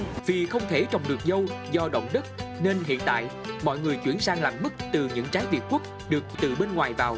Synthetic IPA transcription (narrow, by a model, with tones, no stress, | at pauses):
vi˨˩xə˧wŋ͡mt̪ʰe˧˩t͡ɕɔ˧˩wŋ͡mɗɨ˨˩k̚zə˧wzɔ˧ɗə̰˧˨wŋ͡mɗə˦˥t̚ne˧nɦḭ˧˨ənt̪a̰ː˧˨j | mɔ̰˧˨jŋɨ˨˩əjt͡ɕwḭ˧˩ənsaː˧ŋlaː˨˩mːɨ˦˥k̚t̪ɨ˨˩ɲɨ̰˧˥ŋt͡ɕaː˨˦jvi˨˩t̚kwu˦˥k̚ | ɗɨ˨˩ək̚t̪ɨ˨˩ɓe˧nŋwaː˨˩jvaː˨˩w